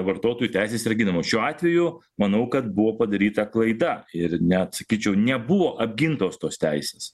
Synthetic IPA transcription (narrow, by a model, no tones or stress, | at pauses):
ʋɐrt̪oːt̪oːjut̪ʲæɪsʲeːsɾɐɡʲinɐmoːʃʲuːɑːt̪ʲʋʲɛjʊ | mɐnɐʊkɐt̪̚bʊʋoːpɐd̪ɐɾʲiːt̪ɐklˠɐɪd̪ɐɪɾnʲɛt̪sɐkʲiːt͡ʃʲɛʊnʲɛbʊʋoːʔɐbʲɡʲɪnt̪oːst̪oːst̪ʲæɪsʲeːs